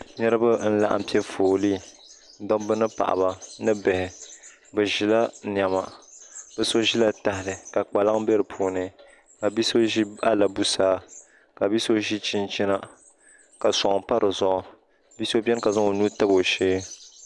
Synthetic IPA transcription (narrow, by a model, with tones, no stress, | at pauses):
ɲɛ˦ɾɨ˦ba˦n̩˦la̰˨ʔa̰˨m̩˨pi˦ɛ˦foː˨li˦ | dɔ˦bɨ˦nɨ˦pa̰˨ʔa̰˨ba˨nɨ˦bɛ˨hɪ˨ | bɛ˨ʒi˨la˦ɲ˨a˨ma˨b̥ɛ˨so˦ʒi˦la˦ta˨hɪ˨lɨ˨ka˨k͡pa˨la˦ŋbɛ˦ɾɨ˨pʰuː˨nɨ˨ | ka˨bi˦so˦ʒi˦a˦la˨bu˦saː˦ | ka˨bi˦so˦ʒi˦t͡ʃi˦nt͡ʃi˦na˨ | ka˨sɔ˨ʔpa˦ɾʔɨ˨zɔ˨ʔɔ˨ | bi˦so˦bʲɛ˦n˦ka˨zʊ˦o˨nuː˦ta˦bo˨ʃeː˦